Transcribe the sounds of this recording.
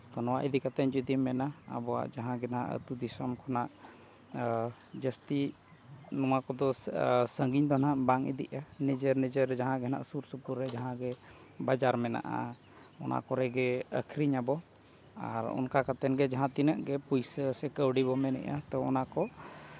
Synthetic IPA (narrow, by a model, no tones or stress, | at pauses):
t̪ɔnɔwaʔid̪ikat̪ɛɲd͡ʒud̪imɛnaa̰bɔwa̰ʔd͡ʒaɦãɡɛnaʔə̰t̪ud̪isɔmkʰɔnaʔ | d͡ʒəst̪i | nɔwakɔd̪ɔsəŋɡiɲd̪ɔnaʔbaŋḭd̪iʔanid͡ʒəɾnid͡ʒəɾd͡ʒaɦãɡɛna̰ʔsuɾsupuɾːɛd͡ʒaɦãɡɛ | bad͡ʒaɾmɛna̰ʔa̰ | ɔnʔa̰kɔɾɛɡɛəkʰɾiɲabɔ | a̰ɾɔ̰nkakat̪ɛnɡɛd͡ʒaɦãt̪inəʔɡɛpujsəsɛkəwɖibɔmɛnɛ̰ʔa̰t̪ɔɔ̰nakɔʔ